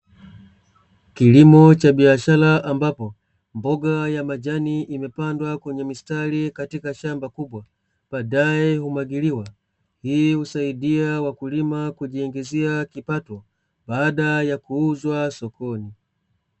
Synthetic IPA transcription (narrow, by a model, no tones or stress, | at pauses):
kilimɔt͡ʃaɓiaʃalaʔambapɔ | mbɔɡajamad͡ʒaniʔimɛpandwakwɛɲɛmistalikatikaʃambakuɓwa | ɓ̥aːɗajɛhumaɡiliwa | hihusaiɗiawakulimakuʄiɛŋɡɛziakipatɔ | baːɗajakuuzwasɔkʰɔni